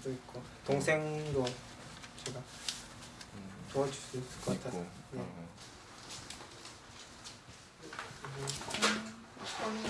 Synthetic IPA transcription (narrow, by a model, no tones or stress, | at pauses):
doik͈o | toŋsʰe̞ŋdo | t͡ɕeɡa | toad͡ʑu̥s͈ɯis͈ɯk͈ʌk͈atʰas͈ojne